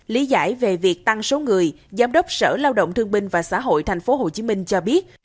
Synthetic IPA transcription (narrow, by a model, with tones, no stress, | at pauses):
li˨˦za̰ː˧˥˩jve˨˩vi˨˩ək̚t̪a˧ŋso˨˦ŋɨ˨˩əj | zaː˨˦mɗə˦˥wk͡p̚sə̰ː˧˩laː˧wɗə̰˧˨wŋ͡mt̪ʰɨ˧əŋɓï˧ŋ̟vaː˨˩sa̰ː˧˥ɦo̰˧˨jt̪ʰɛ˨˩jŋ̟fo˨˦ɦo˨˩t͡ɕi˨˦mï˧ŋ̟t͡ɕɔ˧ɓi˦˥ət̚